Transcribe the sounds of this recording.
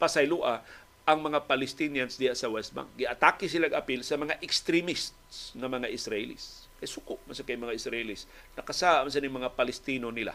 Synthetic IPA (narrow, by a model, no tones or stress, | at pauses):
pɐsɐjluʔa | ʔɐŋmɐŋapɐlɪst̪injansd̪ɪhasɐwɛst̪̚ba̰ŋk̚ɡɪʔɐt̪akɪs̬ɪlaɡɐpilsɐmɐŋaʔɪkst̪ɾɪmist̪sŋɐmɐŋaʔɪsɾaʔɪlḭs | kɐjasʊkʊʔmasakɐjmɐŋaʔɪsɾaʔɪlis | nɐkɐsaʔamɐs̬anɪŋmɐŋapɐlɪst̪inonɪla̰